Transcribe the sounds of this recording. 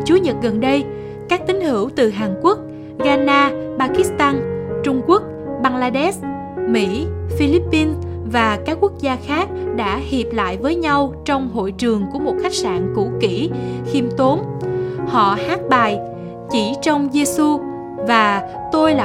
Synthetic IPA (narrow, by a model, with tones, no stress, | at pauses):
t͡ɕu˨˦ɲə˨˩t̚ɣə˨˩nɗə˧j | kaː˦˥k̚t̪ï˨˦ŋ̟hɨ˧˩əwt̪ɨ˨˩ɦaː˨˩nku˦˥ək̚ | ɣaː˧naː˧ɓaː˧ki˦˥st̪aː˧nt͡ɕʊ˧ŋ͡mku˦˥ək̚ɓaː˧ŋlaː˧ɗɛ˦˥s | mḭ˧˥fi˧li˦˥pːi˧n | vaː˨˩kaː˦˥k̚ːwu˦˥ək̚zaː˧xaː˦˥k̚ɗa̰ː˧˥hi˨˩p̚la̰ː˧˨jvəː˨˦jɲa˧wt͡ɕɔ˧wŋ͡mɦo̰˧˨jt͡ɕɨ˨˩əŋku˧˩əmo˨˩t̚xa˦˥jk̚sa̰ː˧˨nkṵ˧˥ki˧˩xi˧mt̪o˨˦nhɔ̰˧˨haː˦˥t̚ɓaː˨˩j | t͡ɕi˧˩t͡ɕɔ˧wŋ͡mze˧su˧ | vaː˨˩ | t̪o˧jla˨